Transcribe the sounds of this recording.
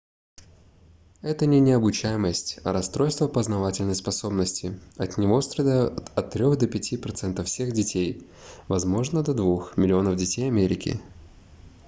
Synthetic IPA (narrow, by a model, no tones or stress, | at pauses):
ɛt̪ənʲɪnʲɪɐbʊt͡ɕæjɪməsʲtʲɐ̰ɾɐst̪ɾo̞jst̪vəpəznɐvatʲɪlʲnəjspɐso̞bnəsʲtʲɪɐt̪nʲɪvost̪ɾɐd̪ʲajʊʊt̪ɐt̪ːɾʲo̞xd̪əpʲɪtʲipɾɐt̪sɛnt̪əfsʲe̞ɣdʲɪtʲej | vɐzmo̞ʐnəd̪ɐd̪vuxmʲɪlʲɪo̞nəvdʲɪtʲejɐmʲeɾʲɪkʲɪ̰